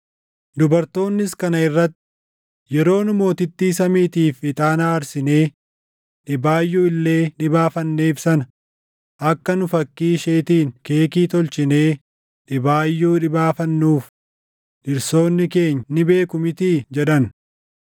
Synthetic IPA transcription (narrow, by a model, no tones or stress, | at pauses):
d̪ʊbɐɾt̪o̞ːnːɪskɐnɐɪrːɐt̪ːɪ̥ | jɛɾo̞ːnʊmo̞ːt̪ɪt̪ːiːsɐmiːt̪iːfɪt̪ʼaːnaːɾsɪne̞ː | ᶑɪbaːjːuːɪlːe̞ːnɪbaːfɐnːe̞ːfsɐnɐ | ʔɐkːɐnʊfɐkːiːʃe̞ːt̪iːŋke̞ːkiːt̪ɔlt͡ʃɪne̞ː | ᶑɪbaːjːuːᶑɪbaːfɐnːuːf | ᶑɪɾso̞ːnːɪke̞ːɲːnɪbe̞ːkʊmɪt̪iːd͡ʒɛᶑɐn